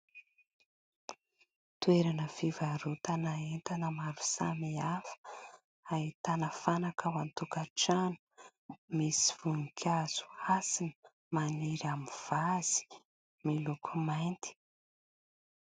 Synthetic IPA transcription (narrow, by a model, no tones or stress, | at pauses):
t̪weɾanəfivaɾut̪anaent̪anəmaɾu̥sa̰miafə̥ | ait̪anəfanakʰawant̪ukaʈ͡ʂanu̥ | misi̥v̥unikʲʰaz̥u̥asinə | maniɾamiv̥az̥i̥ | milukʰumajnt̪i̥